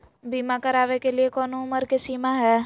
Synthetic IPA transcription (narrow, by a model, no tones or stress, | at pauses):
biːmakɐɾaːʋekeliekɔːnoʊməɾkesiːmaɦɛː